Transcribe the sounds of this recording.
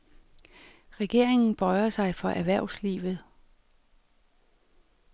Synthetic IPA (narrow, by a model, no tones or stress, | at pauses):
ʁɛɡ̥e̝ɐ̰e̝ŋn̩b̥ɒɪɐsɑ̈ɪfɒ̽ʔæɐʋæɐ̰ʊsliːʋð̩ˠ